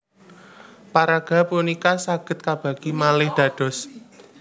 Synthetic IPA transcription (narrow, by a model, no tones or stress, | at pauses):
paɾaɡ̥ä̤punikasaɡ̥ə̤t̪̚kab̥a̤ɡ̥imalɪhd̪̥ä̤d̥ɔ̤s